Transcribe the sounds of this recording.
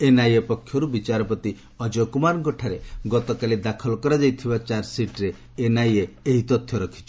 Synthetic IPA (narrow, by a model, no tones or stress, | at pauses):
enajepɔkʰjɔɾubit͡ʃaɾɔpɔt̪i | ɔd͡ʒɔkumaɾɡɔʈʰaɾeɡɔt̪ɔkalid̪akʰɔlkɔɾad͡ʒajt̪ʰibat͡ʃaɾsiʈɾeː | najeeɦit̪ɔt̪ʰjɔɾɔkʰi̥t͡ʃʰɔ̥